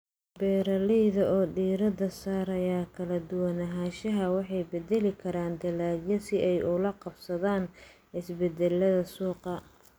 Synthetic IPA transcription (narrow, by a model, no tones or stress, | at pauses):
bɛːɾɐlɛjðɐʔɔːɖiːɾɐd̪ɐsaːɾɐjaːkʰɐlɐd̪ʊwɑnɐɦaːʃɐɦɐwɑħɑjbɛd̪ɛlɪkʰɐɾaːnd̪ɐlaːjɐsɪʔɛjʔʊlɐqɑbsɐðaːn | ɪsbɛd̪ɛlːɐðɐsuːqɐ